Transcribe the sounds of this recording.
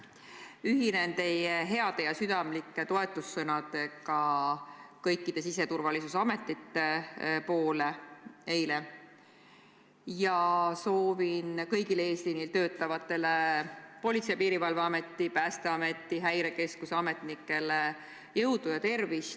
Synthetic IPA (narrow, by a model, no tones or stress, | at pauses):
yɦine̞nt̪e̞jeɦe̞ɑd̪̥e̞jɑsyd̪̥ɑmlikːˑe̞t̪o̞e̞t̪ːˑusːɤnɑd̪̥e̞kɑ | kɤjkːˑid̪̥e̞sise̞t̪urvɑlisusɑme̞t̪ːˑit̪ːe̞po̞ːle̞e̞jle̞ | jɑso̞ːvinkɤjɡile̞ːslinːilt̪ø̞ːt̪ːˑɑvɑt̪ːˑe̞lepo̞lʲit̪sejɑpiːɾivɑlveɑme̞t̪ˑːipæːst̪e̞ɑme̞t̪ːˑiɦæjɾe̞ke̞skuseɑme̞t̪nikːˑe̞le | jɤwd̪̥ujɑt̪e̞rvis